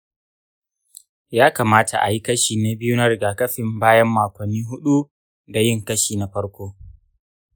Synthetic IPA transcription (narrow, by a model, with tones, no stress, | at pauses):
jaː˦ka˨maː˦tʰa˨ʔa̰˨ji˦kɐ˦ʃiː˨na˨bɪ˦ju˦na˦ɾɪ˨ɡaː˨kɐ˦ɸɪ˨mbaː˦jɐ˦mːaː˨kʷɐ˨nːiː˦ɦʊ˦ɗu˦ | da˨jɪ˦ŋkɐ˦ʃiː˨na˨ɸɐ˦ɽkʷoː˦